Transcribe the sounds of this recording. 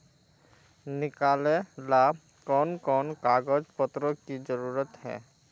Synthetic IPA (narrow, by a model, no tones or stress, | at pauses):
nikalela | kɔnkɔnkaɡɔd͡ʒpɔt̪ɾɔkid͡ʒɔɾuɾɔt̪ɦɛ̰̃